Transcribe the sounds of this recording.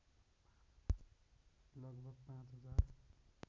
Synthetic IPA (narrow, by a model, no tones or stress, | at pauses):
lʌɡbʱʌɡ̚pãt͡sɦʌd͡zar